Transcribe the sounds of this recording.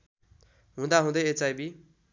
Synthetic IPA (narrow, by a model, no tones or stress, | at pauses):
ɦũd̪aɦũd̪ʌjet͡sajbi